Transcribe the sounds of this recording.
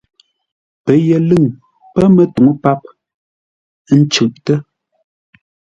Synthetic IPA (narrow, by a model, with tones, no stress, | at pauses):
pə˨jɛ˨lɨ˦˨ŋ | pə˦mə˨tu˨ŋə˦pa˦p̚ | n̩˦t͡ʃʉ˨ʔtə˦